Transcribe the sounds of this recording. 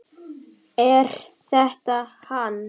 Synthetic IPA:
ɛɾ̥ | θɛht̪ahan

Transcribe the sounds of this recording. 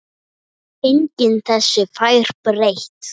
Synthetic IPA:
ejɲcɪnθɛsːɪfajɾ̥pɾejht̪

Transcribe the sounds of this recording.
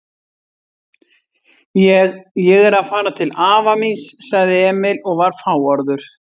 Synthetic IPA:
jɛɣɛɾaðfaːɾat̪ʰɪlaːvaminsːaɣðɪɛːmɪlɔɣvaɾ̥faːwɔɾðʏɾ̥

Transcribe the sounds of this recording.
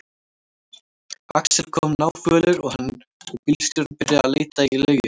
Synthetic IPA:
a̰ksɪɾ̥kʰɔmnaːwfœːlʏɾɔɣhan | ɔɣpilst̪ʏɾpɪɾjaðaleːjt̪ailœːɥjʏ

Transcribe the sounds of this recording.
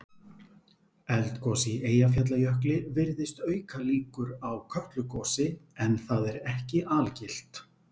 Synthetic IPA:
ɛlt̪kɔsieːjaf̬jat̪̬lajœhklɪvɪɾðɪst̪œːɥkaliːkʏɾawkʰœht̪lʏkɔːsɪɛnθaðɛɾɛhcɪʔaːlcɪl̥t̪

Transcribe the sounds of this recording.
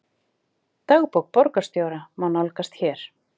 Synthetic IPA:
t̪aɣpowk̚pɔɾkast̪joːwɾamanalkast̪çɛːɾ̥

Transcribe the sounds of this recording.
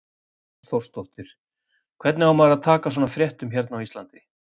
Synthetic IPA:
θɔwr̥st̪ɔht̪ɪɾ̥ | kʰvɛɾt̪nɪawmaðɾaðt̪ʰaːkas̬ɔːnafɾjɛht̪ʏmçɛɾt̪nawislant̪ɪ

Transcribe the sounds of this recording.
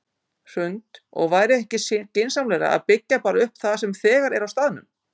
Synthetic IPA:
r̥ʏnt̪ɔ̰ɣvaːjɾɪɛhcɪscejnsamlɛɾa̰a̰ðpɪcːapaːɾaʏhpθaðs̬ɛmθɛːɣaɾɛɾawst̪aːðnʏm

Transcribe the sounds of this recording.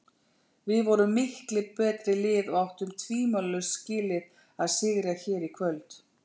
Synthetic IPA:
vɪðvɔɾʏmɪhklɪpɛːt̪ɾɪlɪːðɔɣawht̪ʏmt̪ʰviːmœlːʏscɪːlɪɾ | aðsɪɣɾaçɛːɾikʰvœlt̪

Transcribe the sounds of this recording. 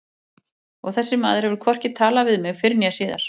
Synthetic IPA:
ɔɣθɛsːɪma̰ːðʏɾ̥hɛvʏɾ̥kʰvɔr̥cɪt̪ʰaːlavɪðmɪɣfɪɾɪnjasiːða̰ɾ̥

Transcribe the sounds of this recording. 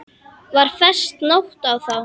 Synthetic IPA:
vaɾ̥fɛr̥st̪nowht̪awθaw

